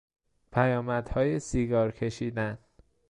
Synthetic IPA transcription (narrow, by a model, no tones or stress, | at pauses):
pʰæjɒːmæd̪̥hɒːjesiːɡɒːɾcʰe̞ʃiːd̪æn